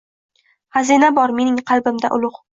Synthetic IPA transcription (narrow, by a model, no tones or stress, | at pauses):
hazinabɒɾme̞nɪŋqʰɑlˠbɪmd̪a̰ʔʊlˠʊq